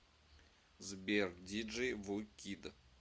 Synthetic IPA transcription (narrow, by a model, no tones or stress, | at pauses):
zbʲerdʲid͡ʒɨjvukʲid̪ə